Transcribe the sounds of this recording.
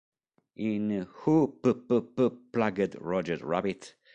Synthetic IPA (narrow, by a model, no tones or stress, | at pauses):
ʔinhupəpəpəplaɡədɹɔd͡ʒəzɹabɪt